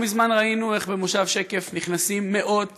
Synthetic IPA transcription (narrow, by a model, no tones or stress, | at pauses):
mizmanʁainue̞χbemoʃavʃeke̞fniχnasimːe̞ʔo̞d